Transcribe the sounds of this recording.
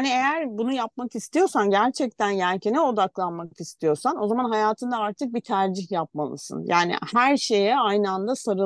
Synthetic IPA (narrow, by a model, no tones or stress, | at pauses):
niejæɾbunujapmakist̪ijo̞ɾsanɟæɾt͡ʃʰɛc̚t̪ænɟæɾcʰenɛo̞d̪aklˠanmakist̪ʰijo̞ɾsano̞zamanɦajaːt̪ʰɯnd̪aaɾt̪ʰɯk̚bit̪ʰæɾd͡ʒiçjap̚ma̰lˠɯ̰sɯ̰njʔaːnḭhæɾʃe̞jɛajnɯand̪asaɾɯ